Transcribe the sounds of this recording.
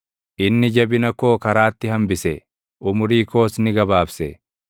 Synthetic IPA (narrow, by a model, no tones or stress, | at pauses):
ʔɪnːɪd͡ʒɐbɪnɐko̞ːkɐɾaːt̪ːɪhɐmbɪsɛ | ʔʊmʊɾiːko̞ːsnɪɡɐbaːfsɛ